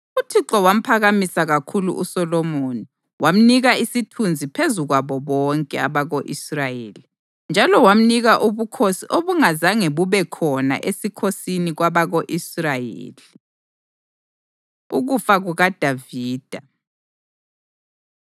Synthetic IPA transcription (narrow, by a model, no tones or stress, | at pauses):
utʰiǁɔwam̩pʰaɣamisaɣakʰulṵʔusɔlɔmoːni | wam̩niɣaisitʰund͡zʱipʰezuɣwaβɔβɔŋkʼɛaβaɣoʔisrajḛːli | nd͡ʒʱalɔwam̩niɣaʔuβukʰosiʔoβuŋazaŋeβuβɛkʰɔna̰ʔesikʰosiniɣwaβaɣoʔisrajḛːli | ṵɣufaɣuɣad̥ʱaviːd̥ʱa